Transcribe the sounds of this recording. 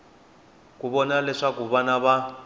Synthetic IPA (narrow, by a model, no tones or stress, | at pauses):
k̬uβɔnalɛʂakuβanaβa